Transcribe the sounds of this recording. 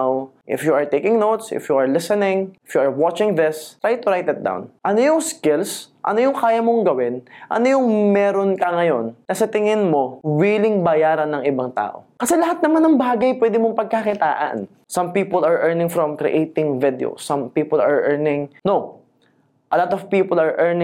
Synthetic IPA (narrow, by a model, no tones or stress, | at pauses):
wʔɪ̰fjuɐɹt̪ejkɪŋnowt̪sɪ̰fjuɐɹlɪsɛnɪŋɪfjuɐɹwat͡ʃɪŋðɪsɹajt̪̚ːʊɹajt̪ɐt̪̚d̪a̰wnʔɐnojʊŋskɪlsʔɐ̰no̞jʊŋkaːjɐmoŋɡɐwɪnʔɐ̰nojʊŋmɛːɾonkɐŋɐjonːɐsɐt̪ɪŋɪnmo̞wiːlɪŋbɐjaːɾɐnːɐŋʔɪbaŋt̪a̰ːʔo̰kɐsɛlɐɦat̪̚nɐmanːɐŋbaːɡɐjpwɛːd̪ɪmoŋpɐɡ̚kakɪt̪a̰ːʔɐ̰n | sɐmpiːpolɐɹʔɛɹnɪ̃ŋfɾɔmkɾɪ̰ʔejt̪ɪ̃ŋvɪd̪ɛ̰o̰sɐ̃mpiːpɔlɐɹʔɛɹnɪŋno | ʔɐlat̪ɔvpiːpɔlɐɹʔɛɹnɪ